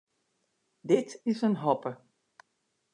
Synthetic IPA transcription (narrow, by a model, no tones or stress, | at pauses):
dɪtɪsənɦɔpə